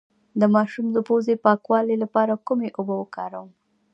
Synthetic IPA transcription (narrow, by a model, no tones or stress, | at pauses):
d̪əmɑʃumd̪əpozepɑkwɑlelapɑɾakumeʔobawəkɑɾawəm